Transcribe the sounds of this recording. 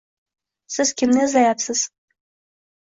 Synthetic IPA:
sɘzkʲĕmnezɑjɑt̪sə̆z̥

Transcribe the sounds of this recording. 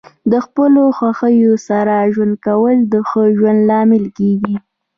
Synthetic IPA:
d̪əxpəloxwaxəjosaɾaʒwand̪̚kawəld̪əxəʒwand̪lɑmɪlkeɡi

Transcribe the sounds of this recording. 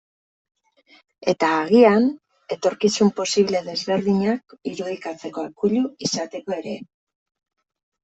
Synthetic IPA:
e̞t̪aːɣian | e̞t̪o̞ɾkisumpo̞siβle̞ðe̞zβe̞ɾðiɲakiɾuð̞ikat͡se̞ko̞ekuʎuisat̪e̞ko̞e̞ɾe̞

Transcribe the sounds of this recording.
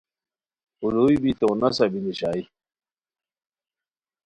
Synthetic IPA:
uluibit̪onɐsabiniɕaːi

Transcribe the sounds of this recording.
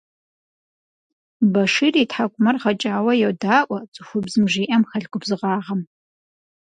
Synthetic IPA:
bɐʂiːritħakʷʼʊmɐrʁɐt͡ʃʼaːwɐjɛwdaːʔʷɔt͡sʼɨxʷʊbzɨmʒiːʔɐmxɐɮɡʷʊbzɨʁɑːʁɐm

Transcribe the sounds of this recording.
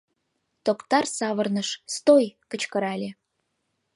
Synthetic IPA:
t̪okt̪ɑrsɑβə̆rnəʃst̪ojkə̆t͡ɕkə̆ɾɑlʲe

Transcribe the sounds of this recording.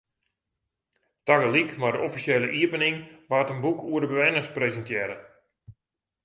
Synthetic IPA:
taɡəlikmadəʔɔfiseːləʔiəpənɪŋʋaːtənbukʰuədəbəʋɛnəsprezəntjɛːɾə

